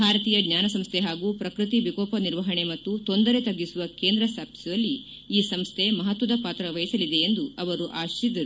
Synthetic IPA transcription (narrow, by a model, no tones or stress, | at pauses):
bʱaːɾɐt̪iːjɐɡnɲaːnɐsɐmst̪ʰe̞ɦaːɡuːpɾɐkɾɨt̪ibikɔːpɐniɾʋɐɦɐɳe̞mɐt̪ːut̪o̞nd̪ɐɾe̞t̪ɐɡːisuʋɐke̞ːnd̪ɾɐsaːpsɐj̪ɐlːi | iːsɐmst̪ʰe̞mɐɦɐt̪ʋɐd̪ɐpaːt̪ɾɐʋɐjisɐlid̪e̞ːnd̪uɐʋɐɾuʔaːʃid̪ɐɾu